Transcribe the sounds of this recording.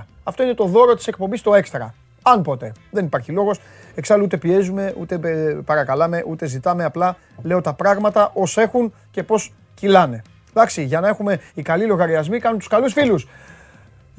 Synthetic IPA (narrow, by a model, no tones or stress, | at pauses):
ɐft̪o̞ine̞t̪o̞ðo̞ɾo̞t̪i̥sek̚pombist̪o̞e̞kst̪ɾɐ̰ | ɐnpo̞t̪e̞ðe̞nipɐɾçilo̞ɣo̞s | eksɐlut̪epie̞zume̞ṵt̪e̞pɐɾɐkɐlɐme̞ʔut̪e̞zit̪ɐmeɐplɐ | le̞o̞t̪ɐpɾɐɣmɐt̪ɐʔo̞se̞xun | ce̞po̞s | cilɐne̞ | ðɐksiʝɐnɐe̞xume̞ikɐlilo̞ɣɐɾiɐzmikɐnunt̪u̥skɐlusfilus